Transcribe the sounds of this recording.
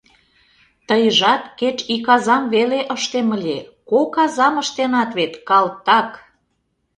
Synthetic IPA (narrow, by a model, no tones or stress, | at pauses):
t̪əjəʒɑt̪ket͡ɕikɑzɑmβeleʔəʃt̪eməlʲekokɑzɑməʃt̪enɑt̪βet̪kɑlt̪ːɑk